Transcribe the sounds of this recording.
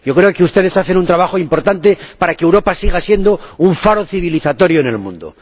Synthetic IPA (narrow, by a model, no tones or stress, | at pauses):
jokɾe̞okeust̪e̞ð̞e̞saθe̞nunt̪ɾaβaxoimpoɾt̪ant̪e̞paɾakeːwɾo̞pasiɣasje̞nd̪o̞uɱfaɾoθiβ̞iliθat̪o̞ɾjoene̞lmṵ̃nd̪o̰